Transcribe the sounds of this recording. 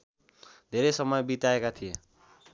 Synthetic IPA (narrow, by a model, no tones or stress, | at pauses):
d̪ʱeɾejsʌmʌjbit̪aekat̪ʰije